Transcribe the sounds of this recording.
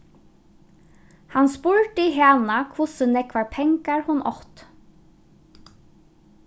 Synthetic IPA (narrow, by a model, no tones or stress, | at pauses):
hanspʊɹt̪iɦɛaːnakʰʊsənɛkʰʋaːɹpʰɛŋkaɹhʊnʔɔ̰ht̪